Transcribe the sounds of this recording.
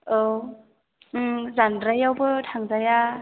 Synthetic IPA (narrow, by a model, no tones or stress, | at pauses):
ow | ɯzanɾajawbɯtʰaŋzaja